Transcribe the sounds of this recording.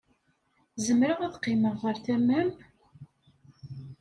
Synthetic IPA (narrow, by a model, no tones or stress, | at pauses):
zəmɾəʁæðqːɪməʁəɾθæmæm